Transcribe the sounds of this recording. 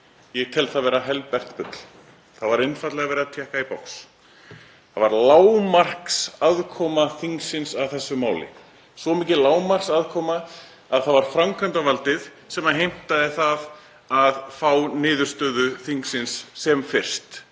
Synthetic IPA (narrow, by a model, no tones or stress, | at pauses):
jɛɣt̪ʰɛlθaðvɛːɾaɦɛlpɛr̥t̪pʏt̪l̥ | θaðvaɾɪnfat̪lɛɣavɛːɾɪat̪ʰjɛːhkaipawks | θθavaɾlaːwmar̥ksaðkʰɔːmaθiŋksɪnsaðθɛsːʏmaːwlɪ̰ | svɔmiːcɪlaːwmar̥ksaðkʰɔːmaː | ðθaðvaɾ̥fɾamkʰant̪avalt̪ɪð | sɛmaɦejm̥t̪aðɪθað | aðfaːwnɪːðʏɾ̥st̪œːðʏθiŋksɪnsːɛmfɪr̥st̪